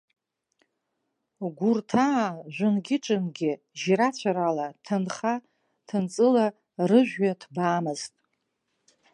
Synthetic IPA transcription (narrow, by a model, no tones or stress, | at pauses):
ɡʷurtʰaːʒʷʊnɡʲɪʈ͡ʂʼɨnɡʲɪ | ʒiɾat͡ɕʷʰaɾalatʰanχa | tʰɨnt͡sʼɨla | rɨʒʷᶣɥatʰbaːmɨztʼ